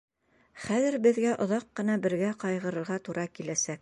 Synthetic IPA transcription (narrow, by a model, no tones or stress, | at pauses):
χæðɘ̆ɾbɘ̆ðɡæʔŏðɑqːɤ̆nɑbɘ̆ɾɡæqɑjʁɤ̆ɾɤ̆ɾʁɑt̪uɾɑkilæsæk̚